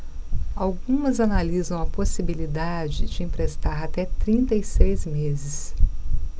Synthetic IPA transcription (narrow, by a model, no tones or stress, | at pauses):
awɡũmɐzanalizɐ̃w̃ɐposibilid̪ad͡ʒɪd͡ʒɪĩpɾest̪aɾat̪ɛt̪ɾĩnt̪ɐisejzmezɪs